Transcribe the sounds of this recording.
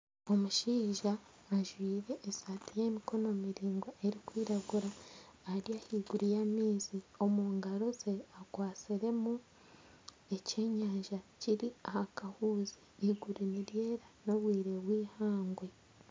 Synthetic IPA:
o̞muʃiːʒaː | ʒwiːɾe̞ʔːsaːtije̞miko̞nomiɾiːŋɡoeɾikwiːɾaɡuɾaːɾijahiɡuɾijamiːzio̞muːŋɡaɾoze̞akwaːt͡siɾe̞mu | e̞ce̞ːɲaːʒaciɾiahakahuːzeiɡuɾiniɾje̞ːɾano̞βwiːɾe̞βwiːhaːŋɡwe̞

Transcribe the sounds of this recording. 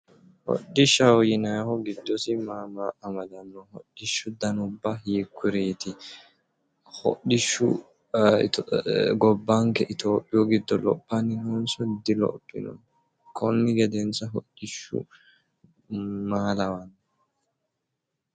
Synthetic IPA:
hɔ̰ɗːɪʃɐwjɪnɐhɔɡɪd̪ːɔsɪmaːmaʔːmɐd̪ɐnːɔhɔ̰ɗːɪʃːʊd̪ɐnʊbːɐjikʰːʊɾeːt̪ɪ | hɔ̰ɗɪʃːʊ̰ | ɡɔbːɐŋkɛʔɪt̪oːpʼːɪjɔɡɪd̪ːɔlɔpʼːɐnːɪnonsɔd̪ːɪlɔ̰pʼːɪ̰nɔ̰n | kʰɔnːɪɡɛd̪ɛnsɐɦɔɗːɪʃːʊ̰ | maːlɐwɐnː

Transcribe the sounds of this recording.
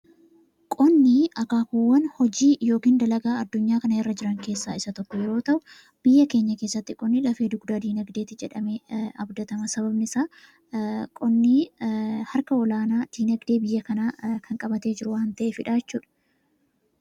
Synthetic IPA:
kʼɔnːiʔɐkaːkuwːɐnhɔd͡ʒiːjo̞ːkiːnd̪ɐlɐɡaːɐd̪ːʊɲːaːkɐnɐjɛrːɐd͡ʒɪɾɐŋke̞ːsːaːɪsɐt̪ɔkːɔjɛɾo̞ːt̪ɐʔʊ | b̥ɪjːɐke̞ːɲːɐke̞ːsːɐt̪ːɪkʼɔnːilɐfeːd̪ʊɡd̪aːd̪iːnɐɡd̪e̞ːt̪ːɪd͡ʒɛᶑɐmeːɐbd̪ɐt̪ɐmɐsɐβɐbnɪsaː | kʼɔnːiːhɐɾkɐɔlaːnaːd̪̥iːnɐɡd̪e̞ːbɪjːɐkɐnaːkʰɐŋkʼɐbɐt̪e̞ːd͡ʒɪɾʊwahɐnt̪ɐʔeːfɪᶑaːd͡ʒɛt͡ʃːuːᶑɐ̥

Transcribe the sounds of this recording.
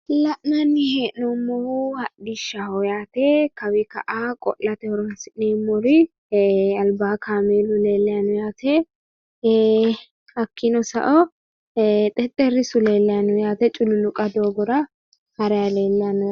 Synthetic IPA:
lɐʔnɐnːɪheːʔnɔmːɔhhɐɗɪʃːahɔjaːt̪ɛkɐwɪkɐ̰ʔakʼɔ̰lːɐt̪ɛhɔɾɔɐsɪneːmːɔɾɪ | ɐlbaːkʰaːmeːlʊleːlːɛjanʊjaːt̪ʰɛ | hɐkːɪnɔsɐ̰ʔɔ | t̪ʼɛt̪ʼːɛɾɪsʊleːlːɛjanʊjaːt̪ɛt͡ʃʼʊlʊlʊkʼɐd̪oːɡɔɾɐ | hɐɾɛjaleːlːjanʊ

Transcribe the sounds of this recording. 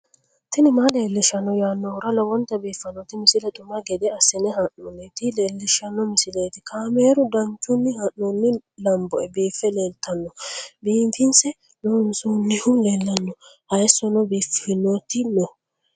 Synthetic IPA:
t̪ɪnɪmale̞ːlːɪʃɐnːɔjaːnːɔʊɾɐlɔwɔnt̪ɐbiːfːɐnɔt̪ɪmɪsɪlɛt̪ʼʊmɐɡɛd̪ɛɐsɪnɛhɐnːunːɛt̪ɪleːlːɪʃɐnːɔmɪsɪlejt̪ɪkʰaːmeːɾʊd̪ɐnt͡ʃːʊnːɪhɐʔːunːɪlɐmbɔɛbiːfːɛleːlt̪ɐnːɔbiːmfɪnsɛ | lonsuːnːɪhʊleːlːɐnːɔhɐjɛsːɔnɔbiːfːnot̪ɪnɔ

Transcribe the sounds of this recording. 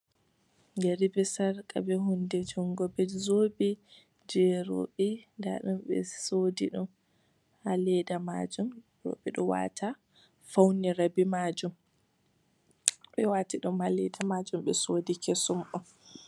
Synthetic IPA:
ɡɛɾibɛsaɾkʼabɛhundɛd͡ʒɔŋɡɔbɛzobi | d͡ʒɛɾo̰ɓinda̰ɗumɓɛ̰sodiɗum | halɛdama̰d͡ʒumjɔ̰ɓɛɗɔwa̰tʰa | fawniɾabimad͡ʒum | ɓɛwatiɗumhalɛdamad͡ʒumɓɛsoːdikɛsumʔɔ

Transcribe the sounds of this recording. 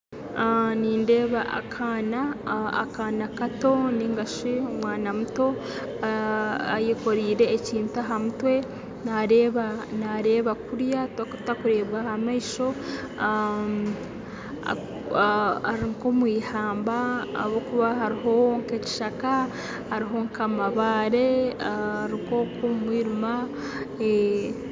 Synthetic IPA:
niːnde̞ːβaʔa̰kʰaːnaa̰kaːnakato̞niŋɡaʃiomwaːnamuto̞ | a̰jiko̞ɾiːɾe̞ːciːntaɦamutwe̞ | naɾeβanaɾe̞ːβakuɾjatktakuɾe̞ːβɣahamaiʃo̞ | aɾiŋkomwiːhaːmba̰ːβokuβaɦaɾiɦo̞ŋkeci̥ʃaka | haɾiɦo̞ŋkamaβaːɾe̞ | aɾiŋkokomumwiːɾuma | e

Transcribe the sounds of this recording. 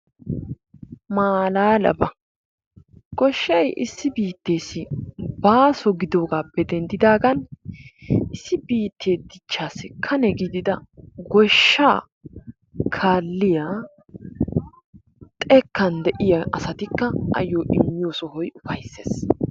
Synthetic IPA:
maːlaːlɐ̰bɐ | ɡ̥ɔʃːɐjʔɪsːɪbiːt̪ːe̞ːsɪbaːsɔɡɪd̪oːɡaːpːɛd̪ɛnd̪ɪd̪aːɡɐn | ɪsːɪbiːt̪ʰːe̞ːd̪ɪt͡ʃːaːsɪkʰɐnɛɡɪd̪ɪd̪ɐɡɔʃːaː | kʰaːlːɪjaː | t̪ʼɛkːɐnd̪ɛʔɪjɐɐsɐt̪ɪkːɐɐ̰jːoːʔɪ̰mːɪjoːsɔhɔjʊfɐjsːḛːs

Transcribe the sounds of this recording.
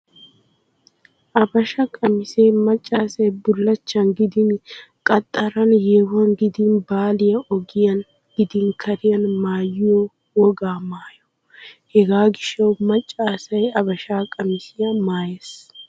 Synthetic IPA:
ʔɐbɐʃɐkʼɐmɪseːmɐt͡ʃʼːaːsɐjbʊlːɐt͡ʃːɐnɡɪd̪ɪnkʼɐt̪ʼːɐɾɐnjeːwɐŋɡɪd̪ɪnbaːlɪjɐʔɔɡɪjɐn | ɡ̥ɪd̪ɪŋkʰɐɾɪjɐnmaːjɪjoː | wɔɡaːmaːjɔ̥ | hɛɡaːɡɪʃɐwmɐt͡ʃʼːaːsɐjɐbɐʃaːkʼɐmɪsɪjɐmaːjes

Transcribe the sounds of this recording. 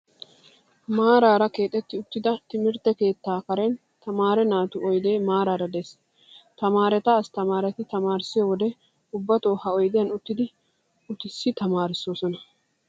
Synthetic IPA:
maːɾaːɾɐke̞ːt̪ʼːɛt̪ːɪʊt̪ːɪd̪ɐt̪ɪmɪɾt̪ɛke̞ːt̪ːaːkɐɾen | t̪ɐmaːɾɛnaːt̪ʊɔjd̪e̞ːmaːɾaːɾɐd̪ɛs | t̪ɐmaːɾɛt̪ɐːst̪ɐmaːɾɛt̪ɪt̪ɐmaːɾɪsɪjoːwɔd̪ɛ | ʊbːɐt̪o̞ːhɐɔjd̪ɪjɐnʊt̪ːɪd̪ɪ | ʊt̪ɪsːɪt̪ɐmaːɾɪsːo̞ːsɔnɐ

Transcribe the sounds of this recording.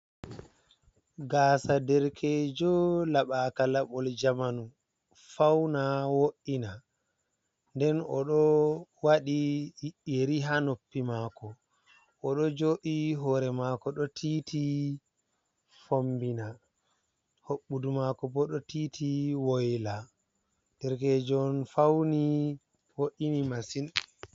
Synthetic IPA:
ɡaːsadɛɾkʰɛd͡ʒɔlaɓaːkalaɓɔld͡ʒamanu | fawnawoʔːina | ndɛnɔɗɔwaɗiiɗeɾiɦanopːimaːkɔ | ʔɔɗɔd͡ʒoːʔiɦɔɾɛmakɔɗɔtʰitʰi | fombina | hoɓːudumakɔbɔɗɔtiːtʰiwojla | d̥ɛɾkɛd͡ʒɔnfawni | woʔinimasin

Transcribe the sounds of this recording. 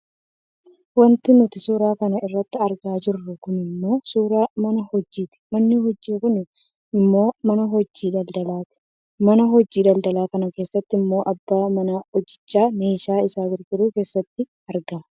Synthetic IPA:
wɐnt̪ɪnʊt̪ɪsuːɾaːkɐnɐʔɪrːɐt̪ːɪɐɾɡaːd͡ʒɪrːʊkʊnɪmːo̞ːsuːɾaːmɐnɐhɔd͡ʒːiːt̪ɪ̥mɐnːɪhɔd͡ʒːiːkʊn | ɪmːo̞ːmɐnɐɦɔd͡ʒːiːd̪ɐld̪ɐlaːt̪ɪ̥ | mɐnɐɦɔd͡ʒːiːᶑ̪ɐld̪ɐlaːkɐnɐke̞ːsːɐt̪ːɪɪmːo̞ːʔɐbːaːmɐnɐɔd͡ʒːɪt͡ʃːaːneːʃaːɪsaːɡɪɾɡɪɾuːke̞ːsːɐt̪ːɪ | ɐɾɡaː

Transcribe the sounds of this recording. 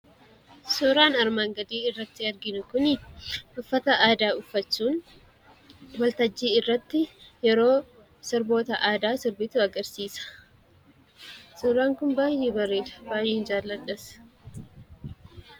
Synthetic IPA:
sɔːɾaːnɐɾmaːŋɡɐd̪iːɪrːɐt̪ːɪɐɾɡɪnʊkʊnʔʊfːɐt̪ɐʔaːd̪aːʊfːɐt͡ʃːuːn | wɐlt̪ɐd͡ʒːiːɪrːɐt̪ːɪjɛɾo̞ː | sɪɾbo̞ːt̪ɐʔaːd̪aːsɪɾbɪt̪uɐɡɐɾsiːsɐ̥ | sɔːɾaːŋkʊnbaːjeːbɐrːeːdɐ̥baːjeːnd͡ʒaːlːɐᶑɐs

